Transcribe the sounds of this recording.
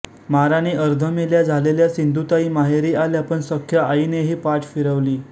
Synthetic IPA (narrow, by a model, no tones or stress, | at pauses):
maɾaneʔəɾd̪ʱəmeljad͡zʱaleljasind̪ʱut̪aiːmaɦeɾiːaljapəɳsəkʰjaaineɦiːpaʈʰfiɾəʋliː